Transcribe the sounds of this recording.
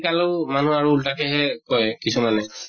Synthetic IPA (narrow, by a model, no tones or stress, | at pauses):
kalomanuaɹuːltakɛɦɛkɔjkisumanɛ